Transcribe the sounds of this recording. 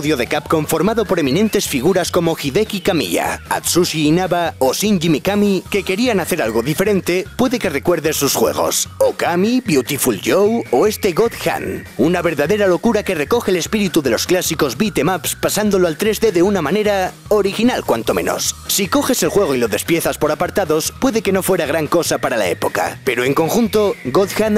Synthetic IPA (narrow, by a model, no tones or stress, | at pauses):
ðjo̞ðe̞kapko̞ɱfo̞ɾmaðo̞po̞ɾe̞mĩnẽ̞nt̪e̞sfiɣ̞uɾasko̞mo̞xiðe̞kikamḭʎa̰a̰t̪suʃiːnaβaosinʝimikamike̞ke̞ɾianaθe̞ɾalɣo̞ðife̞ɾẽ̞nt̪e̞pwe̞ðe̞ke̞re̞kwe̞ɾðe̞sːusxwe̞̰ɣ̞o̞̰sokamibjut̪ifulʝowo̞e̞st̪e̞ɣo̞ðxa̰nunaβe̞ɾðaðe̞ɾalo̞kuɾake̞re̞ko̞xele̞spiɾit̪uðe̞lo̞sklasiko̞zbit̪e̞mapspasand̪o̞loalt̪ɾe̞zðe̞ðe̞unamãne̞ɾa | oɾixinalkwa̰nt̪o̞mẽ̞̰no̞̰sːiko̞xe̞se̞lxwe̞ɣ̞oilo̞ðe̞spje̞θaspo̞ɾapaɾt̪aðo̞spwe̞ðe̞ke̞no̞fwe̞ɾaɣɾaŋko̞sapaɾala̰e̞̰po̞ka̰pe̞ɾo̞eŋko̞ŋxunt̪o̞ɡoðxan